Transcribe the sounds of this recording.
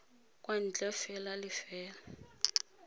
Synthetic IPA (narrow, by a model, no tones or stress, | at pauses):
kʼwan̩t͡ɬʼɛfɛlalɪfɛːla